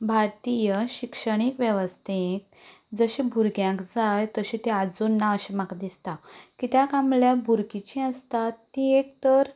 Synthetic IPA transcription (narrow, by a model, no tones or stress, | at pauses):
bʱaɾt̪ijəɕikʂəɽ̃ikʋjeʋəst̪ʰek̚ | d͡zəɕebʱuɾɡjãkd͡zajt̪əɕit̪ead͡zunːaəɕemãkd̪ist̪akit̪jakamljabʱuɾkit͡ɕĩəst̪at̪ːiek̚t̪əɾ